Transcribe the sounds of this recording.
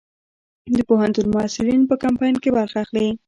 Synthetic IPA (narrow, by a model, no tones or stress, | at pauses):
d̪əpoɦant̪unmʊasɪɾinpəkampɑjnkebaɾxaːxli